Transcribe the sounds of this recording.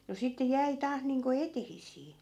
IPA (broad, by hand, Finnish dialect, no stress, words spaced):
no sitːe jæi tɑːh niːŋko etehisˑiː